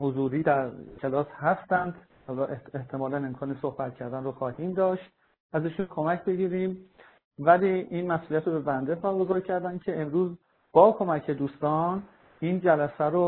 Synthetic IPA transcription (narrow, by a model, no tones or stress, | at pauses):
hozuːɾiːd̪æɾcʰe̞lɒːshæst̪ænd̪ | hɒːlɒːʔee̞ht̪ʰe̞mɒːlæne̞mkʰɒːnesohbæt̪̚cʰæɾd̪ænroxɒːhiːmd̪ɒːʃt̪̚ | ʔæziʃuːnkʰo̞mæcʰbe̞ɟiːɾiːm | væliːinmæsuliæt̪ɾobe̞bænd̪e̞pɒːɾɡo̞zɒːɾcʰæɾd̪æncʰe̞emɾuːz | b̥ɒːkʰo̞mæcʰe̞d̪uːst̪ɒːn | iːnd͡ʒælæsæɾo